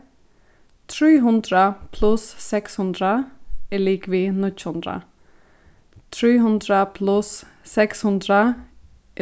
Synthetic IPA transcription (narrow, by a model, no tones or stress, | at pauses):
t̪ʰɾiːɦʉnd̪ɾəpʰlʉsːɛkshʉnd̪ɾəɪliːkʋiːnʏt͡ʃhʉnd̪ɾə̰ | t̪ʰɾiːɦʉnd̪ɾəpʰlʉsː | ɛkshʉnd̪ɾə